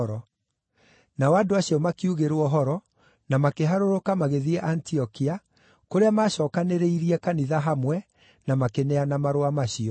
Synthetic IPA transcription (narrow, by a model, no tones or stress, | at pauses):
ɾɔ | nawadoaɕiɔmakiuɣeɾwɔɦɔɾɔ | namakeɦaɾoɾokamaɣeðiɛʔantiɔkia | koɾeamaːɕɔːkaneɾeiɾiɛkaniðaɦamwɛ | namakenɛanamaɾoamaɕiɔ